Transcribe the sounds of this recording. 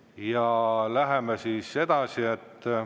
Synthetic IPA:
jɑlæɦemesiːsːe̞d̪̥ɑsiet̪ː

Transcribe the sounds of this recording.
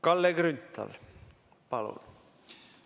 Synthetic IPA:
kɑlːeɡrynt̪ːˑɑ̰l | pɑlṵn

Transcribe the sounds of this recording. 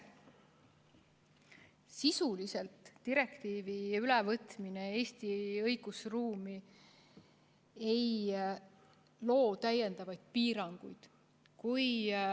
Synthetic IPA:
sisulise̞lt̪ːiɾe̞kt̪iːviylevɤt̪minee̞ːst̪iɤjɡ̥usruːmi | e̞j | lo̞ːt̪æje̞nd̪̥ɑvɑjd̪̥̚piːɾɑŋɡ̥ujd̪̥ | kuj

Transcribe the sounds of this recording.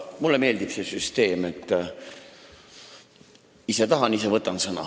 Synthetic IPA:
mulːeme̞ːld̪ipsesyst̪e̞ːmet̪ˑː | iset̪ɑɦɑnisevɤt̪ːˑɑnsɤnɑ̰

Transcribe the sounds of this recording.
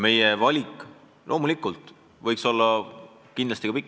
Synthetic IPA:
me̞jevɑlʲikˑ | lʔo̞ːmulikːˑult̪ˑ | vɤjkso̞lːɑ | kind̪lɑst̪ikɑpikːˑ

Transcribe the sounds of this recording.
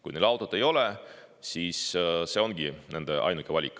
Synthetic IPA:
kujnelɑwt̪ːˑod̪̥e̞jo̞lɛsiːsse̞o̞nɡ̥inend̪̥eʔɑ̰jnukːivɑlʲikːˑ

